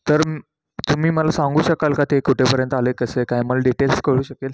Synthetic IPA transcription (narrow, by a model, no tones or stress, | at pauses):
t̪əɾ | t̪umiːməlasaŋɡuːɕəkalkat̪ekuʈʰepəɾjənt̪alekəsekajməlaɖiʈelskəɭuːɕəkel